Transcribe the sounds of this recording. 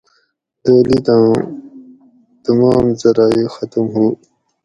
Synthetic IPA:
dəːlit̪ãː | t̪ɐmɑːmzɐɾaːixʌt̪mɦuː

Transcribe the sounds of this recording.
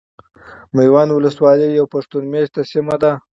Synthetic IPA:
majwɑnwʊləswɑləjawpaʂt̪unmeʃt̪asɪmad̪a

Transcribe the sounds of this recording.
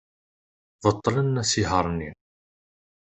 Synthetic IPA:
vət̪ˤːlənːæsiɦəɾˤnːi

